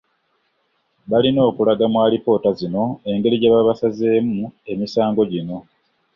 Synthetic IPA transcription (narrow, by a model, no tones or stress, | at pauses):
βalino̞ːkulaɡamwaːlipo̞ːtazino̞e̞ŋɡe̞ɾiɟaβaβasaze̞ːmue̞misaːŋɡo̞ɟino̞